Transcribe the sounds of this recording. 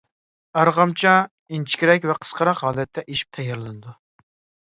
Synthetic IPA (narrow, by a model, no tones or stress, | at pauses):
ɑɾʁɑmt͡ʃʰɑ | int͡ʃʰi̥kʲiɾɛkʲvɛqʰə̥sqʰɑɾɑqɦɑːlˠɛt̪ʰːɛʔeʃi̥p̚t̪ʰɛjɑɾlˠɨnɨd̪u